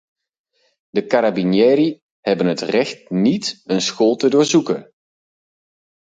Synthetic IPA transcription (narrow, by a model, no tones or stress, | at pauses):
dəkaɾabinjɛːɾi | hɛbənətrɛxt̚nitənsxolˠtədʊːɹzukən